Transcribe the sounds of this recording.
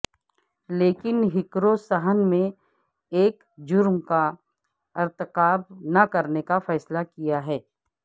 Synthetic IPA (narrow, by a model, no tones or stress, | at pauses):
leːkɪnɦɪkɾosɐɦənmẽ | eːk | d͡ʒʊɾmka | ɪɾt̪ɪqaːbnɐkɐɾnekafɛːslakijaɦɛː